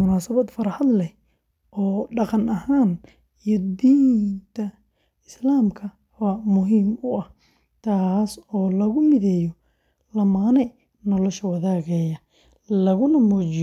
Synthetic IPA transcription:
ʊnaːsɐβɐd̪fɐɾɑħɑd̪lɛ | ʔɔːɖɑqɑnɐɦaːn | ijɔd̪iːnt̪ʰɐ | ɪslaːmkʰɐ | wɑːmʊɦiːmʊɐh | t̪ʰaːsɔːlɐɣʊmɪðɛːjɔ | lɐmaːnɛ | nɔlɔʃɐwɑðaːɣɛjɐ | lɐɣʊnɐmɔːt͡ʃɪ

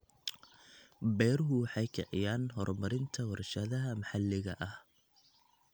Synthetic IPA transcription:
bɛjɾɦʊwɑħɑjkʰɐʕɪ̰jaːnɦɔrmɐɾɪnt̪ʰɐwɐɾʃɐðɐɦɐmɑħɑlːɪɣɐ̰ʔɐh

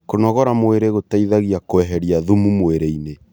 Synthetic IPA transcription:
konɔɣɔɾamoeɾeɣotaiðaɣiakoɛɦɛɾiaðumumoeɾeine

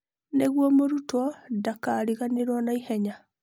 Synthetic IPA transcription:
neɣwɔmoɾutɔdakaːɾiɣaneɾwɔnaihɛɲa

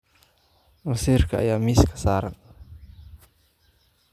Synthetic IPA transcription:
məsirkʰaa̰jaːmiskʰḁsaːɾa̰n

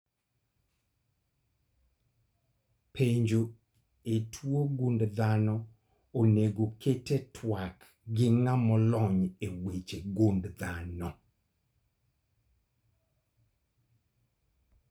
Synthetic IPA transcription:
pʰeɲd͡ʒo | etʰwoɡundd̪anɔ | oneɡokʰetetʰwak | ɡɪŋamɔlɔɲewet͡ʃeɡundd̪anɔ

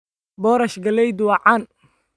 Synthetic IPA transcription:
bɔːɾɐʃɡɐlɛjd̪ʊwɑʕan

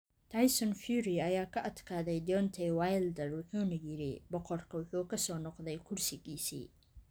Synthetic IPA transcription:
t̪ʰajsɔnfuːɾiɐjaːkʰɐʔɐd̪kʰaːðɛjd̪ɔnt̪ʰɛjwajld̪ɛrwʊħuːnɐjɪɾɪ̰bɔqɔrkʰɐwʊħuːkʰɐsɔːnɔqðɛjkʰʊrsɪɣiːsḭː

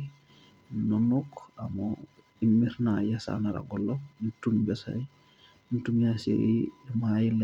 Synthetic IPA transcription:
nɔnɔkamɔ | imːiɾnajasa̰naɾa̰ɡɔlːɔnitunbɛsa̰i | ntumjasḛimajil

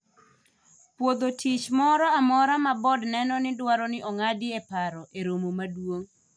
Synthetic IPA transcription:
pwod̪otʰit͡ʃmɔɾɔamɔɾamabɔdnɛnɔnɪdwaɾɔnɪʔɔŋadɪepaɾɔʔeɾomomadwoŋ

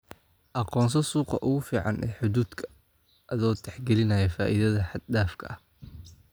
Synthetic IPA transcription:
ʔɑqɔːnsɐsuːqɑ̰ʔʊɣʊfiːʕɑnʔɛ̰ːħʊðuːd̪kʰɐ̥ | ʔɐðɔːt̪ʰɛħɡɛlɪnɐjɛfaːʔiðɐðɐħɑd̪daːfkʰɐ̰ʔɐh

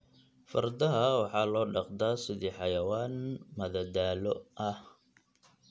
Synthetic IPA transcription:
fɐ̰rd̪ɐɦɐwɑħɑːlɔːɖɑqd̪aːsɪðiːħɑjɐwaːnmɐðɐd̪aːlɔʔɐh

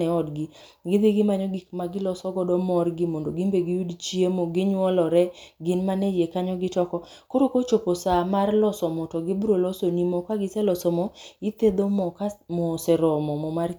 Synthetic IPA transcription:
ɛɔdɡɪ | ɡɪd̪ɪɡɪmaɲɔɡikmaɡɪlɔsɔɡɔdɔmɔrɡɪmondoɡimbeɡɪjudt͡ʃjemoɡɪɲwɔlɔɾɛɡɪnmanɛjekaɲɔɡɪtɔkɔ | koɾokot͡ʃoposamarlɔsɔmɔtɔɡɪbɾolɔsonimɔkaɡɪsɛlɔsɔmɔɪt̪ed̪omɔkamɔsɛɾɔmɔmɔmar

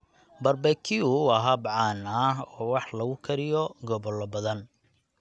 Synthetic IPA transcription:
bɐrbɛkʰɪuɐɦɐbʕɑːnɐɦɔːwɑħlɐɣʊkʰɐɾɪjɔɡɔβɔlːɔbɐðɐn

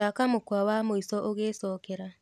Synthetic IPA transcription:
akamokwawamoisɔʔoɣesɔkɛɾa

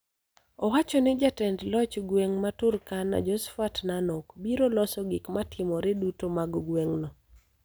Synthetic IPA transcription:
ɔwat͡ʃɔnɪd͡ʒatɛndlɔt͡ʃɡweŋmatʊrkanːa̰d͡ʒɔsfatnanokbiɾolɔsɔɡɪkmatʰɪmɔɾedutomaɡɡweŋnɔ

